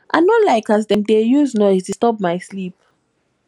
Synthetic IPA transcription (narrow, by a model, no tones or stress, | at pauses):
ʔã̰nɔtlaɪkazdɛ̃mdejuznɔɪstustɔp̚maɪslip̚